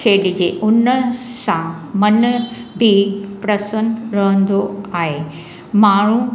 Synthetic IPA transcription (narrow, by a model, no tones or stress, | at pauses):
kʰeːɗɪd͡ʑeʔʊnəsã | mɐnbʱɪpɾɐsənɾɐɦə̃nd̪oaːɦe | maːɳ̤u